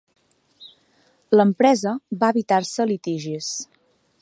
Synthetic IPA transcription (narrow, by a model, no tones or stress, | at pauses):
ləmpɾɛzəβaəβit̪arsəlit̪iʒis